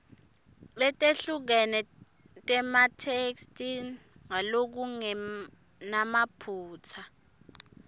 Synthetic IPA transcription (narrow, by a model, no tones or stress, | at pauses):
ɓɛtʼeɬuk̬ɛnɛ | tʼɛmatʰekstʼi | ŋalok̬uŋɛ | namapʰuːt͡sʰa